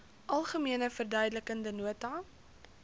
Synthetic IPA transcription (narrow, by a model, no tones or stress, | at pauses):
ʔɐlˠχəmiənəfərdœɥdələkəndənuətɐ